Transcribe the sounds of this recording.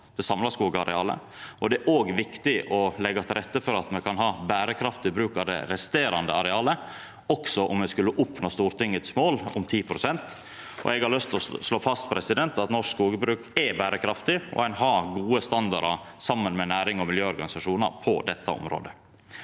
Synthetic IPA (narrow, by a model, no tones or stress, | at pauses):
d̪̥ɛsɑmlɑskuːɡəɑɾɛɑːlə̰ | ɔd̪ɛæɾʔoːɡʋɪkt̪ɪʔɔlɛɡːɑt̪ʰɪlɾɛt̪ːəfɔɾɑt̪mɛkʰɑnɦɑːbæːɾəkʰɾɑft̪ɪbɾʉːkɑd̪ɛ̰ɾɛst̪eːɾɑnd̪əɑɾɛɑːlə | ɔksɔʔʊmʋɛskʉlːəʔʊpnoːst̪uːɾt̪ɪŋːət̪smoːlʊmt̪ʰiːpʰɾʊsɛnt̪ | ʔɔ̰ɛɡhɑɾɭœst̪lɔsloːfɑst̪pʰɾɛsɪd̪ɛnt̪ɑt̪nɔʂskuːɡəbɾʉːkɛbæːɾəkʰɾɑft̪ɪɔ̰ænɦɑːɡuːəst̪ɑnd̪ɑ̰ɾɑsɑmːənmɛnæːɾɪŋɔmɪljøːɔɾɡɑnɪsɑʂuːnɑ̰ɾpʰɔd̪ɛt̪ːɑ̰ɔ̰mɾo̰ːd̪ə